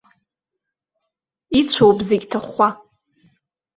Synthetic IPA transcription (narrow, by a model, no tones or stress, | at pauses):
it͡ɕʷʰowbzeɡʲtʰaχʷa